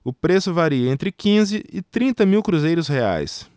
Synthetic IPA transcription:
ʊpɾesʊvaɾiɐẽnt̪ɾɪkĩzɪɪt̪ɾĩnt̪ɐmiwkɾuzejɾʊshea̰js

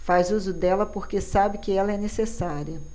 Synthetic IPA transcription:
fazuzʊd̪ɛlɐpoɾkesabɪkɪɛlɐɛnesesaɾiɐ

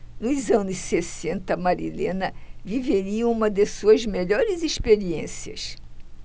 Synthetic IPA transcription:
nʊzɐ̃nʊssesẽnt̪ɐmaɾḭlḛ̃nɐviveɾiɐ̃ũmɐd̪esuɐzmeʎɔɾɪziʃpeɾiẽsiɐ̰s

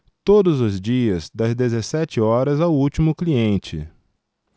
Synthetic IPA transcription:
t̪od̪ʊzʊzd͡ʒiɐzd̪ɐzd̪ezesɛt͡ʃɪɔɾɐzawut͡ʃimʊkliẽnt͡ʃɪ̰

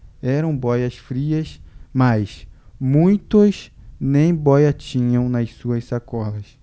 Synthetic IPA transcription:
ɛɾɐ̃w̃bɔjɐsfɾiɐsmasmũj̃t̪ʊznẽj̃bɔjɐt͡ʃĩɲɐ̃w̃nɐssuɐssakɔlɐs

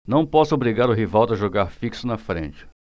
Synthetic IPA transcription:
nɐ̃w̃pɔsʊobɾiɡaɾʊɦivawd̪ɐʒoɡaɾfiksʊnɐfɾḛ̃nt͡ʃɪ̥

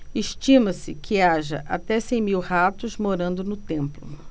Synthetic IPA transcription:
eʃt͡ʃĩmɐsɪkʰɪaʒɐ̰ʔat̪ɛsẽj̃miwhat̪ʊzmoɾɐ̃nd̪ʊnʊt̪ẽmplʊ

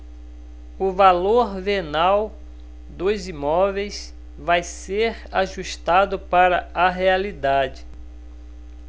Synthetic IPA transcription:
ʊvaloɾvenaw | d̪ozimɔvejs | vajseɾ | aʒuʃt̪ad̪ʊpaɾɐɐɦealid̪ad͡ʒɪ

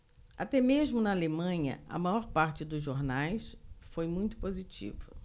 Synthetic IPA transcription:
a̰t̪ɛmeʒmʊnɐalemɐ̃ɲɐ̰ɐ̰majɔɾpaɾt͡ʃɪd̪ʊzʒoɾnajsfojmũj̃t̪ʊ̥pozit͡ʃḭvɐ̰

